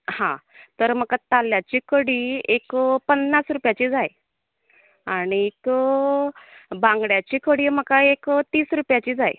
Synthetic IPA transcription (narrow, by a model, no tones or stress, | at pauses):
hã̰t̪əɾm̤əkat̪aljat͡ɕikəɽiːekpənːasɾupjat͡ɕiːd͡zaj | aɽ̃iek | bãŋɡɽjat͡ɕiːkəɽiːm̤əkaekt̪iːsɾupjat͡ɕiːd͡zaj